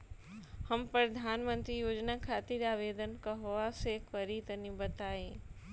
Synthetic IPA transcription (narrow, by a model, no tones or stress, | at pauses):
həmpɾɐd̪ʱaːnmə̃nt̪ɾijoːd͡ʒnakʰaːt̪iɾaːʋeːd̪ənkaɦoʋasekəɾit̪ənibət̪aːẽ